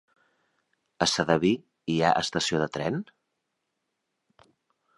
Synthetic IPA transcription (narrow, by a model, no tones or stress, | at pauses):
əsəðəβi | ia̰ʔəst̪əsioðət̪ɾɛn